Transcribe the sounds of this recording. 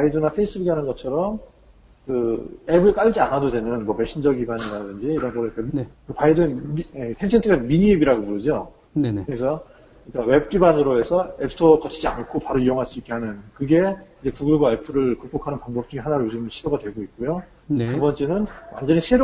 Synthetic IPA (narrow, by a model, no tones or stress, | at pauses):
paidɯnapʰe̞is͈ʰɯbuɡihanɯnɡʌt͡ɕʰʌɾʌm | kɯe̞bɯɭk͈aʎd͡ʑianɦadodwe̞nɯnmʌmeɕʰind͡ʑʌɡiɡaɲiɾadɯnd͡ʑiːɾʌnɡʌɾɯik͈ekɯpaidɯmetʰent͡ɕʰentʰɯɡamiɲiebiɾaɡomuɾɯd͡ʑo | nkɯɾesʰʌ | ik͈awe̞b̚k͈ibanɯɾoe̞sʰʌepʰɯ̥tʰʌkʌt͡ɕʰid͡ʑia̰nɯɭkʰopaɾoijoŋɦaɭs͈uik͈e̞hanɯnkɯɡe̞id͡ʑe̞kuɡɯɭɡwae̞pʰɯɾɯɭkup͈okʰanɯnpaŋbʌp̚t͡ɕ͈uŋiɦanaɾood͡ʑimnɕʰidoɡadwe̞ɡoik̚k͈ojo | tubʌnt͡ɕ͈e̞nɯnwa̰nd͡ʑʌɲisʰe̞ɾo